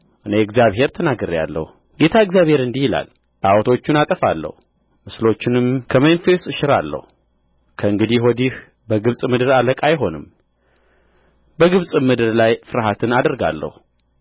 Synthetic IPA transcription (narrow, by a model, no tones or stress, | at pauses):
ʔɨneɪɡzjaβɦe̞ɾt̪ʰənaɡəɾja̰lːə̰hu | ɡe̞t̪ʰaɡzjaβhe̞ɾɨnd̪ihila̰l | bawɔt̪ʰo̞t͡ʃːunat̪ʼəfalːə̰hu | mɨslo̞t͡ʃːɪnɨmkʰəmenfest̪ʼɨʃɪɾa̰lːə̰hu | kʰəɨŋɡɨd̪iwɔd̪ih | bəɡɨβsʼmɨd̪ɨɾaləkʼajɦo̞nɨm | bəɡɨβsʼɨmɨd̪ɨɾlajfɨɾaɦat̪ʰɨnad̪əɾɡa̰lːə̰hu